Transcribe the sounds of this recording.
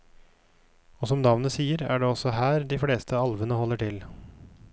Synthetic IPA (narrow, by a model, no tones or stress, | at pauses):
ɔsɔmnɑʋnəsiːəɾæ̰ːɖɛːɔsɔɦæːɾd̪ɪfleːst̪ʰəɑlʋənəhɔlːəʈʰɪl